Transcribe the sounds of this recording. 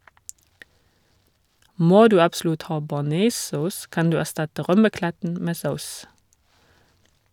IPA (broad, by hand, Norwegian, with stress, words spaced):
ˈmoː ˈdʉː ɑbˈslʉt ˈhɑː bɑˈneːˌsɔs ˈkɑn ˈdʉː æˈstɑtə ˈʁœməˌklætn̩ ˈmeː ˈsaʊs